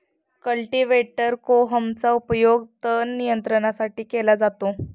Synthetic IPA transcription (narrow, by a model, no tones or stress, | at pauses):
kəlʈiʋeʈəɾkoɦəmt͡saupəjoɡt̪ənijənt̪ɾəɳ̃asaʈiːkelad͡zat̪o